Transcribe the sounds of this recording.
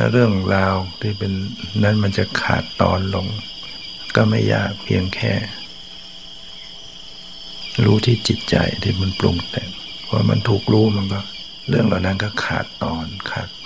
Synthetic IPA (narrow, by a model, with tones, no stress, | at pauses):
lɛ̰˧ɾɯ˥˩əŋɾaː˧wt̪ʰiː˧˩pe˨nːa˦˥˨nma˧nt͡ɕa˨˧˩kʰa̰ː˨˩t̪ːɔː˧˥nlo˧ŋ | kɔ˧˩ma˧˥˩jːa̰ː˧˨˩k̚pʰi˧əŋkʰɛː˧˩ | ɾuː˦˥t̪ʰiː˧˩t͡ɕi˨˩t̪̚t͡ɕa̰˧jt̪ʰiː˧˩ma˧˥˨nplṵ˧ŋt̪ɛː˨˩ŋ | pʰɔ˧wa̰˧ma˧˥˨nt̪ʰuː˨˩k̚ɾuː˧˥ma˧˥˨nkɔ˧˩ | ɾɯ˥˩əŋlaː˨˧˩na˦˥˨nkɔ˧˩kʰa̰ː˨˩t̪ːɔː˧nkʰaː˨˩t̚